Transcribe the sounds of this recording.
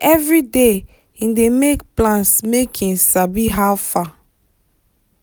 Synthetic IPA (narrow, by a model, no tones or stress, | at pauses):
ɛvɹide | ĩndemekplãnsmekʰĩnsabiɦawfa